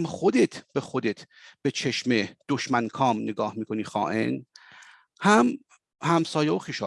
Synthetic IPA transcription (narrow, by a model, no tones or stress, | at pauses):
mxod̪et̪ʰb̥exod̪et̪ʰ | b̥et͡ʃʰeʃmed̪̥oʃmænkʰɒːmneɡɒːhmiːkʰoniːxɒ̰ːʔḛn | hæm | hæmsɒːjeoxiʃɒː